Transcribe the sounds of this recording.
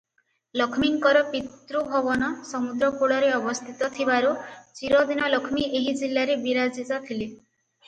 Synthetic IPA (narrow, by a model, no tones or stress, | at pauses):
lɔkʰmiŋkɔɾɔpit̪ɾubʱɔbɔnɔsɔmud̪ɾɔkuɭɔɾeɔbɔst̪ʰit̪ɔt̪ʰibaɾut͡ʃiɾɔd̪inɔlɔkʰmiʔeɦid͡ʒilːaɾebiɾad͡ʒitɔt̪ʰili